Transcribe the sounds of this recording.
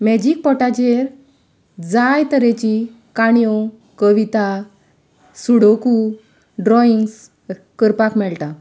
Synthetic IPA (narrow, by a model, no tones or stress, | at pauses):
mɛd͡ʑik̚pɔʈad͡ʑeɾ | d͡zajt̪əɾẽt͡ɕi | kaɳijɔ | kəʋit̪a | suɽoku | ɖɾɔiŋɡs | kəɾpakmɛɭʈa